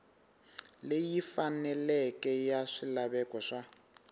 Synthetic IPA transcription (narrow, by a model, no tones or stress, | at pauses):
lejifanɛlɛkɛjaʂilaβɛkɔʂa